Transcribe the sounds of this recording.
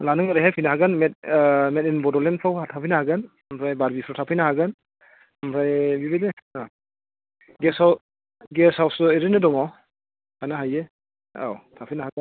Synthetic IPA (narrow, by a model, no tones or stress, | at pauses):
lanɯŋaɾɯɦajpʰijnaɦaɡɯnmet̚met̚inbɔdɔlenpʰawatʰapʰɯjnahaɡɯn | mpʰɾajbaɾbipʰɾawtʰapʰɯjnaɦaɡɯn | mpʰɾajbibedena | ɡesaw | ɡesawsɔeɾɯnɯdɔŋaw | anaɦaje | a̰wtʰapʰɯjnahaɡɯn